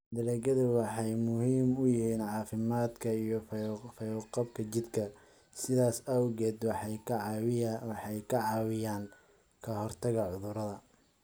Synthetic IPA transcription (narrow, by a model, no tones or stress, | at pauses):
d̪ɐɾɛːɡɐðʊwɑħɑjmʊhiːmʊjɪhiːnʕɑːfɪmaːd̪kʰɐijɞfɐjqɑb̚kʰɐt͡ʃɪd̪kʰɐ | sɪðaːsɐwɣɛːd̪w | ħɑjkʰɐʕɑːwɪjaːŋ | kʰɐhɔrt̪ʰɐɣɐʕʊðʊɾɐðɐ